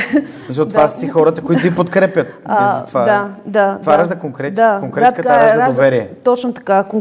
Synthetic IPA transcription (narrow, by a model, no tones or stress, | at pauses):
at͡ʃiot̪vaɾssixɔɾɐt̪əkoit̪ʊipot̪kɾɛpʲjət̪̚azɐt̪vad̪ad̪at̪vaəʒd̪ɐkoŋkɾɛt̪akoŋkɾɛkɐt̪aɾʒɐd̪ovɛɾiɛt̪ɔt͡ʃnot̪ɐ̥kakoŋ